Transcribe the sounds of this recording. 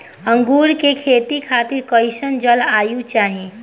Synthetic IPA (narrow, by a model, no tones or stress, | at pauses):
ə̃ŋɡuːɾkekʰeːt̪ikʰaːt̪iɾkəɪsənd͡ʒəlaːjut͡ʃaːɦi